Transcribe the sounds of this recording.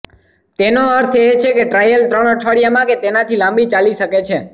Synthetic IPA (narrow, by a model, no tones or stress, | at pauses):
t̪enoəɾt̪ʰet͡ʃʰekeʈɾajəlt̪ɾəɽ̃ɔʈʰəɽijamãket̪enat̪ʰilãmbit͡ʃaliʃəket͡ʃʰe